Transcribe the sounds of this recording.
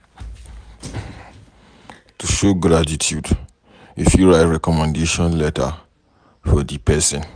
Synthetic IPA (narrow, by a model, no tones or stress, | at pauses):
tuʃoɡɾatitʰjud | ifjuɹaɪtɹɛkɔmɛ̃ndeʃɔ̃nlɛta | fɔdipʰɛsɛ̃n